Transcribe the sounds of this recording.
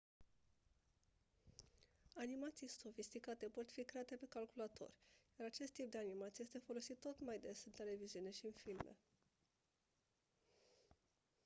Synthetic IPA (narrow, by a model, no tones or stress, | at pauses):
animat̪sijso̞fist̪ikat̪e̞po̞t̪fikɾeat̪e̞pe̞kalkulat̪ʰo̞̰rʲjaɾat͡ʃe̞st̪ːip̚d̪e̞animat̪sije̞st̪e̞fo̞lo̞sit̪ːo̞t̪majd̪e̞sɨnt̪e̞le̞viziune̞ʃiɨnfilmḛ